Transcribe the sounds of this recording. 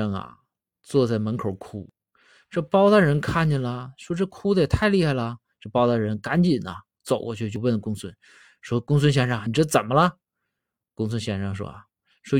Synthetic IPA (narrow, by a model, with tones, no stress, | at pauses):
ɑ˥˩ŋɐ̰˨˩ | t͡swɔ˥˧t͡sa˥˩ɪmə˧˥nkʰo˨˧˩ʊkʰu˥ | ʈ͡ʂə˥˩pɑ˥ʊd̪ə˥˩ɻə˧˥nkʰa˥˩nt͡ɕɛ˥˩nlə˩ʂwɔ˥ʈ͡ʂɤ˥˩kʰu˥d̪ə˧˩jɛ˩t̪ʰa˥˧ɪli˥˧xa˥˩ɪlə˩ | ʈ͡ʂɤ˥˩pɑ˥ʊt̪a˥˧˩ɻə˧˥nka˧˥nt͡ɕi˨˩nɐ̰˧ | t͡so˨˩ʊkwɔ̰˥˧t͡ɕʰy˥˧t͡ɕjo˥˧wə˥˩nlə˩kʊ˥ŋswə˥n | ʂwɔ˥˧kʊ˥ŋs̬wə˥˧nɕ̬jɛ˥˧nʂɑ˥˩ŋ˩ni˩ʈ͡ʂɤ˥˩˧t͡sə˨˩nmə˦lə˧ | kʊ˥ŋs̬wə˥˧nɕjɛ˥˧nʂɑ˥˩ŋʂ̬wɔ̰˥ɐ̰˩ | ʂwɔ˥